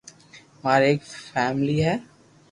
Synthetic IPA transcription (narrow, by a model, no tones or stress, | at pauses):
maːɾeːkfɛːmliɦɛː